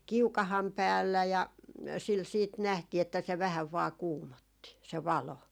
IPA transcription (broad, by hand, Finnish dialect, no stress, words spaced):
kiukɑhɑm pæːlːæ jɑ sil siːt næhtiː etːæ se ʋæhæʋ ʋɑː kuːmotːi se ʋɑlo